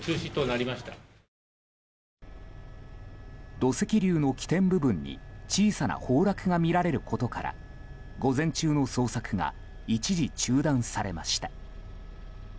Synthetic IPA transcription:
t͡ɕɨːɕit̪onaɾʲimaɕi̥t̪a | d̪o̞se̞kʲiɾʲɨːno̞kʲi̥t̪ẽ̞mbɯ̟bɯ̟̃ɲ̟ːḭt͡ɕiːsana̰ho̞ːɾakɯ̟ŋamʲiɾaɾe̞ɾɯ̟ko̞t̪o̞kaɾa̰ | ɡo̞zẽ̞ɲ̟t͡ɕɨːno̞so̞ːsakɯ̟ŋa̰ | it͡ɕiʑit͡ɕɨːd̪ãɰ̃saɾe̞maɕi̥t̪ḁ

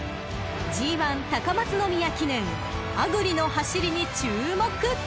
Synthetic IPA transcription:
d͡ʑiːβãnt̪akamat͡sɨno̞mʲijakʲinẽ̞ŋ | aɡɯ̟ɾʲino̞haɕiɾʲiɲ̟it͡ɕɨːmo̞kɯ̟

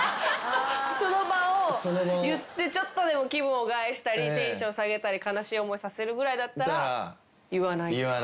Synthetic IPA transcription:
so̞no̞baosonjɯt̪ːe̞t͡ɕo̞t̪ːo̞d̪e̞mo̞kʲibɯ̃oɡaeɕi̥t̪aɾʲit̪ẽ̞ɰ̃ɕaːsaɡe̞t̪aɾʲikanaɕiːo̞mo̞isase̞ɾɯ̟ɡɯ̟ɾaid̪at̪ːaɾaa | jɯβanaia

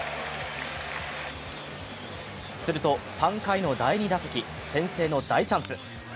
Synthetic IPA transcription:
sɨɾɯ̟t̪o̞sãŋkaino̞d̪aiɲ̟id̪asɨkʲi | sẽ̞se̞ːno̞d̪ait͡ɕãɰ̃sɨ

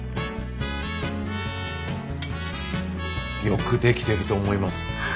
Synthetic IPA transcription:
jo̞kɯ̟d̪e̞kʲi̥t̪e̞ɾɯ̟t̪o̞ːmo̞imasɨ̥

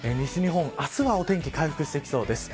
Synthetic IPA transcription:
eɲ̟iɕiɲ̟iɦõ̞ŋasɨβao̞t̪ẽ̞ŋkʲi̥kaiɸɯ̟̥kɯ̟ɕi̥t̪ekʲi̥so̞ːd̪e̞sɨ̥

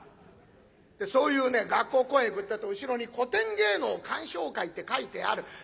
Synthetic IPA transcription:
d̪̥e̞so̞ːjɯ̟ːne̞ɡakːo̞ːkõ̞eɡɯ̟t̪ːat̪ːoɯ̟ɕiɾo̞ɲ̟iko̞t̪ẽ̞ŋɡe̞ːno̞ːkʰãɰ̃ɕo̞ːkait̪ːe̞kait̪e̞a̰ɾɯ̟

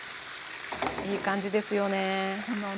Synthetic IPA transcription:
iːkãɲ̟d͡ʑid̪e̞sɨjo̞nehono

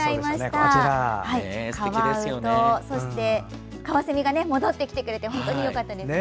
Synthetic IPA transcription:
aimaɕit̪ahaikʰaβaɯ̟t̪oso̞ɕi̥t̪e̞ | kaβasemʲiɡane̞mo̞d̪o̞t̪ːe̞kʲi̥t̪e̞kɯɾe̞t̪e̞ɦõnt̪o̞ɲijo̞kat̪ːad̪e̞

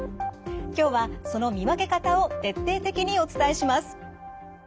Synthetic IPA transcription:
kʲo̞ːβaso̞no̞mʲiβake̞kat̪ao̞t̪e̞t̪ːe̞ːt̪e̞kʲiɲ̟io̞t͡sɨ̥t̪aeɕimasɨ̥

